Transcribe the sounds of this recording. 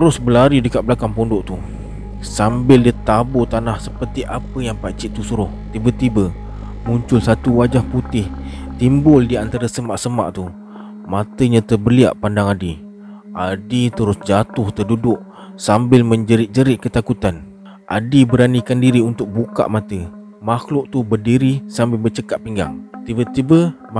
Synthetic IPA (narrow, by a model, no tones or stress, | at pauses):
t̪əɾʊsbəlaɾidəkat̪̚bəlakaŋpɔndʊʔt̪u | sambɪldit̪abʊt̪anahsəpərt̪iʔapəjaŋpat͡ʃiʔt̪usuɾʊht̪ibət̪ibə | muɲt͡ʃʊlsat̪uwad͡ʒahput̪ɪht̪imbʊldiant̪aɾasəmaʔsəma̰ʔt̪u | mat̪əɲãt̪əbəlia̰ʔpandaŋadi | ʔadit̪əɾʊsd͡ʒat̪ʊht̪ərdudʊʔ̚ | sambɪlmə̃ɲd͡ʒəɾɪʔ̚d͡ʒəɾɪʔkət̪akut̪an | ʔa̰dibəɾanikandiɾiunt̪ʊk̚buka̰ʔmat̪ə | maxlʊʔt̪ubərdiɾisambɪlbət͡ʃəkaʔ̪̚piŋɡa̰ŋt̪ibət̪ibə